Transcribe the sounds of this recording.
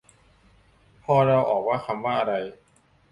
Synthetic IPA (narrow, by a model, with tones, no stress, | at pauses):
pʰɔː˧ɾa˧wʔɔ̰ː˨˩k̚waː˥˩kʰa˧mwaː˥˩ʔa˧ɾa˧j